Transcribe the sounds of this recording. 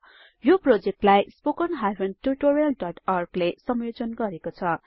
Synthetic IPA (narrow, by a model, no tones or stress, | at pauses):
joprod͡zek̚ʈlajspokʌnɦajwenʈuʈoɾijʌlɖʌʈʌrɡlesʌmjod͡zʌnɡʌɾekot͡sʰʌ